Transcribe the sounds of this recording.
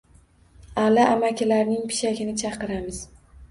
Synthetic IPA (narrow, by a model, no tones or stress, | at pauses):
alaʔamakʲʰɪlaɾnɪŋpʰɪ̥ʃaɡʲɪnɪt͡ʃʰɑqɨɾamɪz̥